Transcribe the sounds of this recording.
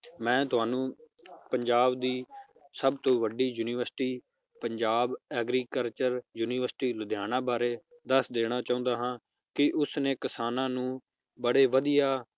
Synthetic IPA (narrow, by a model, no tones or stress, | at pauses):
mɛ̃ːt̪ʊɦaːnũː | pəɲd͡ʒaːbd̪iː | səbt̪õːʋəɖiːjuːniːʋəɾsʈiː | pəɲd͡ʒaːbɛːɡɾiːkəlt͡ʃəɾjuːniːʋəɾsʈiːlʊd̪ʱjaːnãːbaːɾeː | d̪əsd̪eːɽ̃aːt͡ʃaːũːnd̪aːɦãː | kɪʔʊsneːkɪsaːnãːnũː | bəɽeːʋəd̪ijaː